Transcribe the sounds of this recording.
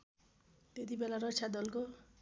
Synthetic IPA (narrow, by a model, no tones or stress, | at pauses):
t̪et̪ibelaɾɔt͡ʃʰad̪ɔlko